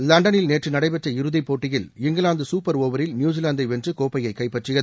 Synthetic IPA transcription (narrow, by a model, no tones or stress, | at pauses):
lɐɳɖɐnɪlneːʈrɯnɐɽɐɪpɛʈrɐɪɾɯðipoːʈːɪjɪlɪŋɡɐlaːnd̪ɯsuːpːɐɾoːʋɐɾɪlnjuːd͡ʒɪlaːnd̪ɐɪʋɛndrɯkoːpɐjɐɪkːɐɪpːɐʈrɯɣɐðɯ